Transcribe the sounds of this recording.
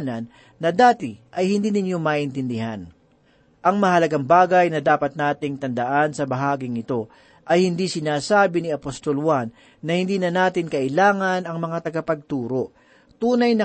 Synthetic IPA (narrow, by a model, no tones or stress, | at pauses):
nɐnː | ɐd̪aːt̪ɪʔɐjhɪnd̪iːnɪnjo̞mɐʔɪnt̪ɪnd̪ɪɦan | ʔɐŋmɐhɐlɐɡaŋbaːɡɐjnɐd̪aːpɐt̪̚naːt̪ɪŋt̪ɐnd̪ɐʔansɐbɐɦaːɡɪŋɪt̪o̞ | ʔɐjhɪnd̪isɪnaːsaːbɪniɐpost̪o̞lwanː | ɐhɪnd̪iːnɐnaːt̪ɪnkɐʔɪlaːŋɐnɐŋmɐŋat̪ɐɡapɐɡ̚t̪uːɾo̞ʔ | t̪uːnɐjnɐ